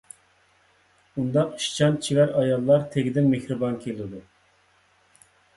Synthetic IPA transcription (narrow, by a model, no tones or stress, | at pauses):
und̪ɑqʃt͡ʃʰɑnt͡ʃʰivæɾɑjɑlˠːɑɾt̪ʰeɡʲɪd̪ɪnmehɾɨbɑnkʲʰelˠɪd̪u